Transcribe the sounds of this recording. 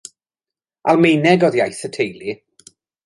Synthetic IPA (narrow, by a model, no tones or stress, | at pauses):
ʔalˠmejnɛɡɔðjajθətʰejli